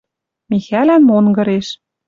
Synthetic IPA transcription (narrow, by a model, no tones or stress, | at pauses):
mixælænmonɡɤ̆ɾeʃ